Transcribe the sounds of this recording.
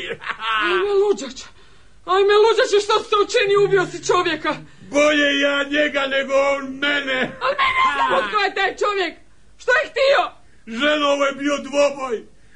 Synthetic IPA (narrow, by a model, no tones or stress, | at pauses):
aimelˠud͡ʒat͡ʃḁ | alimelud͡ʒat͡ʃaʃt̪osseut͡ʃiniubiosit͡ʃo̞ʋjekaboʎejaːɲeɡaneɡoonmenealneneznamot̪kojet̪aːjt͡ʃoʋjek | ʃt̪ojext̪io | ʒenoʋojebiod̪ʋoboj